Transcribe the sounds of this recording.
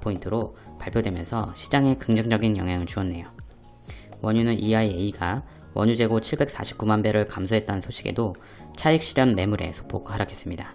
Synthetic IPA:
pʰointʰɯɾopaɭpʰjodwe̞mjʌ̰nsʰʌɕʰid͡ʑaŋe̞kɯŋd͡ʑʌŋd͡ʑʌɡinjʌ̰ŋɦjaŋɯɭt͡ɕuʌnːe̞jo | wʌɲunɯnʔiaieiɡa | wʌɲud͡ʑe̞ɡot͡ɕʰiɭbe̞k̚s͈a̰ɕʰi̥p̚k͈umanbe̞ɾɯɭkamsʰoɦe̞t̚t͈anɯnsʰoɕʰiɡe̞̰do | t͡ɕʰaik̚ɕ͈iɾjʌnme̞muɾe̞̰sʰo̥pʰoɡhaɾjakʰe̞s͈ɯmɲida

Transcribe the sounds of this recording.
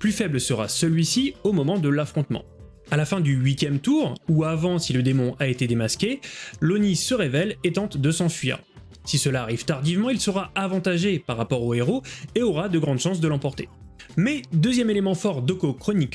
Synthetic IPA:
plyfɛblsəʁa̰səlɥisiomɔmɑ̃d̪əlafχɔ̃t̪mɑ̰̃ | alafɛ̃d̪yɥit̪jɛmt̪uʁuavɑ̃siləd̪emɔ̃ʔaet̪ed̪emaskʲelonisəʁevɛlet̪ɑ̃t̪d̪əsɑ̃fɥḭːʁ | sisəlaːʁiv̥t̪aʁd̪ivmɑ̃ilsəʁaavɑ̃t̪aʒepaʁːapɔʁoeʁoeɔʁad̪əɡʁɑ̃d̪ʃɑ̃s̬d̪əlɑ̃pɔʁt̪e | mɛd̪øzjɛmelemɑ̃fɔʁd̪okokχɔnik

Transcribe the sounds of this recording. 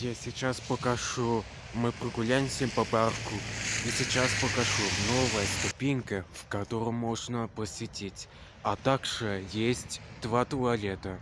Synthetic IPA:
jasʲɪt͡ɕaspəkaʂu | mɨprəɡʊlʲajɪmsʲempɐparkʰuisʲɪt͡ɕaspəkaʂunovəjəst̪ʊpʲiŋʲkəfkat̪oɾʊmmːoʐnəpəsʲvʲɪtʲetʲ | at̪aɡʐɨjesʲtʲd̪̥vat̪ʊɐlʲet̪ə

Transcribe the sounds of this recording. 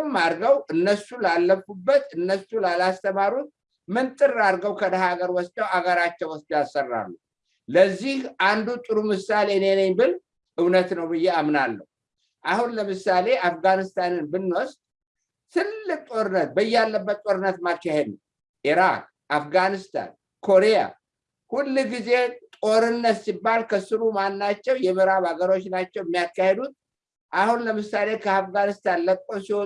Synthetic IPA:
maɾɡəwʔɨnːəsulalːəfubːət̪ɨnːəsulalast̪ʰəmaɾut̪̚ | mɨnt̪ʼɨraɾɡəwkʰəd̪əɦaɡəɾwɔst̪ʼəwaɡəɾat͡ʃːɛwɔsd̪jasːərːa̰lːu | ləzːihʔand̪ut̪ʼɨɾumɨsale̞nenəɲbɨl | ʔɨwnət̪nəwbɨjːeamnalːə̰hu | ʔahunləmɨsale̞afɡanɨst̪ʰanɨnbɨnːost̪ʼ | t̪ʰɨlːɨkt̪ʼo̞ɾɨnːət̪̚bəjːɛalːəbːət̪ːt̪ʼo̞ɾɨnːət̪makːahed̪nəw | ʔiɾak | ʔafɡanɨst̪ʰa̰n | kʰo̞ɾeja̰ | hulːɡize̞t̪ʼo̞ɾɨnːət̪sibːalkʰəsɨɾumanːat͡ʃːɛwjɛmɨɾaβaɡəɾo̞t͡ʃːnat͡ʃːɛwɛmːijakːahe̞d̪ut̪̚ | ʔahunləmɨsale̞kʰəafɡanɨst̪ʰanləkʼːosiwɔ

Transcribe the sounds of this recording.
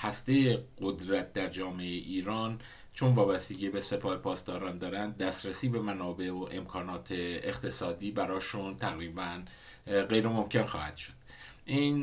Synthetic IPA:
hæst̪ejeɢo̞d̪ɾæt̪̚ʰd̪æɾd͡ʒɒːmeeeʔiːɾɒːn | t͡ʃʰonvɒːbæst̪eɟebese̞pʰɒːhepʰɒːst̪ɒːɾɒːnd̪ɒːɾænd̪ːæst̪ɾesiːbe̞mænɒːbe̞oʔe̞mkʰɒːnɒːt̪ʰeext̪ʰe̞sɒːd̪iːbæɾɒːʃunt̪ʰæɣɾiːbæn | ɢe̞jɾemo̞mcʰe̞nxɒːhæ̰d̪̥ʃo̥d̪̥ | ʔin

